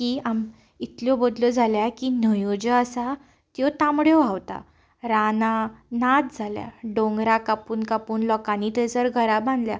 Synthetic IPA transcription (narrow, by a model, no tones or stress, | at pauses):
kiːam | it̪ljɔbod̪lɔd͡zʱaljakiːnəjod͡ʑəasa | t̪jɔt̪ãmɽjɔawt̪a̰ | ɾananat̪̚d͡zʱalja̰ɖõŋɡɾakapuːnkapuːnlɔkanit̪əjt͡səɾɡʱəɾabãnd̪lja